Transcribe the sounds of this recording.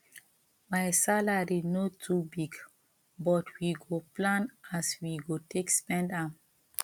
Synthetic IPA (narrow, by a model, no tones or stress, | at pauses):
majsalaɹinotʰubiɡ | bɔtʰwiɡoplãnaswiɡotʰekspɛ̃ndãm